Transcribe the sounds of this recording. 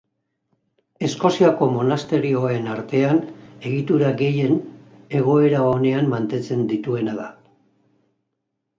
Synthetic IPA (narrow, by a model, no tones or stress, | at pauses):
e̞sko̞siako̞mo̞nast̪e̞ɾio̞ae̞naɾt̪e̞ane̞ɣit̪uɾaɡe̞je̞n | e̞ɣ̞o̞e̞ɾao̞ne̞amːant̪e̞t͡se̞nd̪it̪ue̞naða